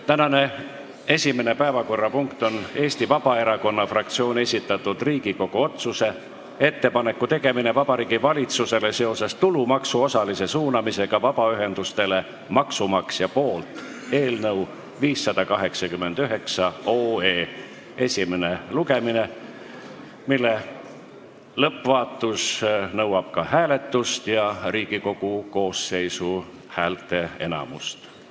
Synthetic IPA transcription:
t̪ænɑne̞ | e̞sʲimene̞pæevɑko̞rːɑpuŋkt̪o̞ne̞ːst̪ivɑb̥ɑe̞ɾɑko̞nːɑfrɑk̚t̪sio̞ːne̞sʲit̪ːˑɑt̪ːud̪̥riːɡiko̞ɡ̥oo̞t̪suse̞ | e̞t̪ːe̞pɑne̞kːut̪e̞ɡ̥e̞mine̞vɑb̥ɑɾiːɡivɑlʲit̪suse̞le̞se̞o̞sest̪ulumɑksuo̞sɑlise̞suːnɑmise̞ɡ̥ɑvɑb̥ɑyɦe̞nd̪ust̪e̞le̞ | mɑksumɑksjɑpo̞ːlt̪ | e̞ːlnɤw | viːsːɑd̪̥ɑkɑɦe̞ksɑkymːe̞nd̪̥yɦe̞ksɑoːeː | e̞sʲimeneluɡe̞mine | milːe | lɤpːvɑːt̪ːˑusnɤwɑb̥̚kɑhæːle̞t̪ːˑust̪jɑɾiːɡ̥iko̞ɡ̥uko̞ːsːe̞jsu | hæːlt̪e̞e̞nɑ̰must̪

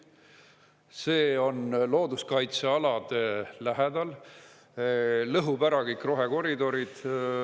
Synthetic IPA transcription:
se̞ːo̞nlo̞ːd̪uskɑjt̪seɑlɑd̪̥elæɦed̪ɑl | lɤɦubæɾɑkikˑro̞ɦeko̞ɾid̪o̞ɾid̪̥

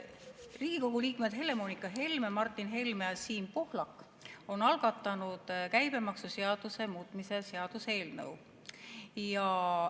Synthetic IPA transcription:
riːɡ̥iko̞ɡ̥uliːkme̞d̪̥ɦe̞le̞mo̞nikːˑɑɦe̞lmemɑrt̪ːˑinɦe̞lmeɑsiːmpohlɑkːˑ | o̞nɑlɡ̥ɑt̪ˑːɑnud̪̥kæjb̥e̞mɑksuse̞ɑd̪̥use̞muːt̪ˑmise̞seɑd̪̥use̞ːlnɤ̰w | jɑ

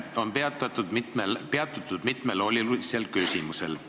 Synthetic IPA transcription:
o̞npeɑt̪ɑt̪ːud̪̥melpeɑt̪ːˑut̪ˑːud̪̥mit̪me̞lo̞lʲːiluselkysimuse̞̰l

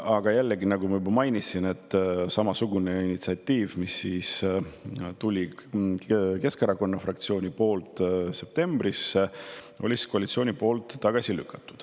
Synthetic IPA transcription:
ɑɡ̥ɑjælːeɡinɑɡumɑjybɑmɑjnisine̞t̪ːˑsɑmɑsuɡ̥uneinit̪siɑt̪ʲːiːvmisiːs | t̪ulʲi | ke̞skɑɾɑko̞nːɑfrɑk̚t̪sio̞ːnʲipo̞ːlt̪ˑse̞p̚t̪e̞mb̥ris | olʲiskoɑlit̪sioːnʲipo̞ːlt̪ːɑɡ̥ɑsilykːˑɑt̪ːˑu̥d̪̥

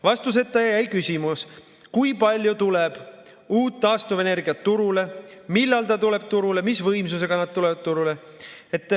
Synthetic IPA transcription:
vɑst̪us̬e̞t̪ːˑɑjɑjæjkysʲimus | kujpɑlʲjut̪uleb̥ | uːt̪ːɑːst̪uve̞ne̞rɡiɑt̪ːuɾule̞milːɑlt̪ɑt̪ule̞b̥̚t̪uɾule̞misvɤjms̬use̞ɡ̥ɑnɑd̪̥̚t̪ulevɑd̪̚t̪uɾule̞ | et̪ːˑ

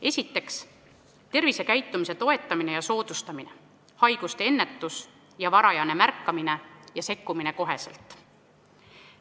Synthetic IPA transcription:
e̞sʲit̪ːe̞ks | t̪e̞rvise̞kæjt̪ːˑumise̞t̪o̞e̞t̪ːˑɑmine̞jɑso̞ːd̪̥ust̪ɑmine̞̰ | hɑjɡ̥ust̪eenːe̞t̪ːˑus | jɑvɑɾɑjɑne̞mærkːɑmine̞jɑse̞kːumine̞ko̞ɦe̞sḛlt̪ːˑ

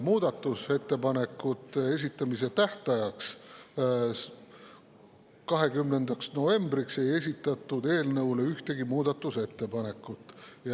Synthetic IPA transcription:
muːd̪ɑt̪ːˑuse̞t̪ːe̞pɑne̞kːˑut̪ˑːe̞s̬ʲit̪ːˑɑmis̬e̞t̪æht̪ɑjɑks | kɑɦe̞ɡymnend̪̥ɑksno̞ve̞mbrikse̞je̞sʲit̪ːˑɑt̪ːˑud̪e̞ːlnɤuwle̞yht̪e̞ɡimuːd̪̥ɑt̪ːˑuse̞t̪ːe̞pɑne̞kːˑut̪ːˑjɑ

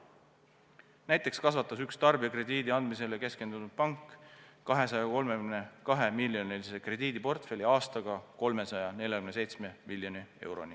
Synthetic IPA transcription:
næjt̪ˑe̞kskɑsvɑt̪ːˑɑsykst̪ɑrbiɑkre̞d̪iːd̪iɑnd̪mis̬e̞leke̞ske̞nd̪̥unud̪̥̚pɑŋkːɑɦe̞sɑjɑko̞lmekymnekɑɦe̞milːjo̞nilise̞kre̞d̪iːd̪̥ipo̞rt̪fe̞lʲiɑːst̪ɑɡ̥ɑko̞lme̞sɑjɑne̞lʲjɑkymne̞sejt̪sme̞milːjo̞nie̞̰wɾo̞̰ni

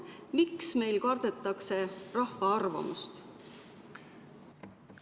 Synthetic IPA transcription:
miksme̞jlkɑrd̪̥e̞t̪ːˑɑkse̞rɑhvɑɑrvɑ̰must̪

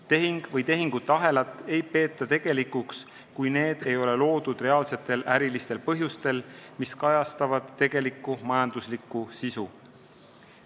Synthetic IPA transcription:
t̪e̞ɦiŋɡ̥vɤjt̪e̞ɦiŋɡ̥ut̪ːˑɑɦe̞lɑt̪ːˑe̞jpe̞ːt̪ːˑɑt̪e̞ɡ̥e̞likːˑuks | kujne̞ːd̪̥e̞jo̞le̞lo̞ːd̪̥ud̪̥re̞ɑːlse̞t̪ˑːe̞læɾilist̪e̞lpɤɦjust̪e̞lmiskɑjɑst̪ɑvɑd̪̥ːe̞ɡ̥e̞likːˑumɑjɑnd̪̥uslikːˑusisu

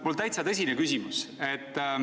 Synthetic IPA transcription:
olt̪æjt̪sɑt̪ɤsʲinekysʲimuse̞t̪ː

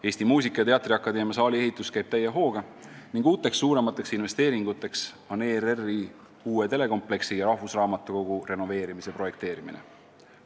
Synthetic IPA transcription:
eːsʲt̪imuːsikːˑɑjɑt̪e̞ɑt̪ːˑriɑkːˑɑd̪e̞ːmjɑs̬ɑːlʲie̞ɦit̪ːˑuskæjb̥̚t̪æjeɦo̞ːɡ̥ɑ | niŋɡ̥uːt̪ːˑe̞ksːuːɾe̞mɑt̪ːˑe̞ksinve̞st̪e̞ːɾiŋɡ̥ut̪ːˑe̞ks | o̞nererːi | uːet̪e̞le̞ko̞mple̞ksijɑɾɑɦvusrɑːmɑt̪ːˑuko̞ɡ̥ure̞no̞ve̞ːɾimise̞pro̞je̞k̚t̪e̞ːɾiminḛ

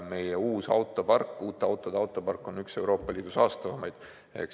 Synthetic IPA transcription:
me̞jɛuːsɑ̰wt̪ːˑo̞pɑrkːˑuːt̪ːˑeɑwt̪ːˑod̪ɑwt̪ːˑo̞pɑrkːˑo̞nykse̞wɾo̞ːpˑːɑlʲiːd̪̥usɑːst̪ɑvɑmɑjd̪̥ | ḛk

